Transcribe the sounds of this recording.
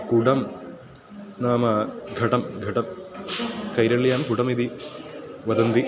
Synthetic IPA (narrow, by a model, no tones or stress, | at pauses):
kuɽɐm | naːmɐɡʱɐʈɐmɡʱɐʈɐm | kɐjɾɐɭjaːmt̪uɽɐmid̪i | ʋɐd̪ɐnd̪i